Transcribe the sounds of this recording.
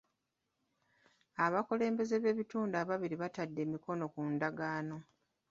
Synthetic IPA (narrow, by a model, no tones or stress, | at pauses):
aβakole̞ːmbe̞ze̞βe̞ːβituːndaβaβiɾiβatadːe̞ːmiko̞no̞kundaɡaːno̞